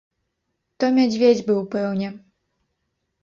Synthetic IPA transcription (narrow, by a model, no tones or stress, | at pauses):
t̪ɔmʲad͡zʲvʲed͡zʲbɨwpɛwnʲɛ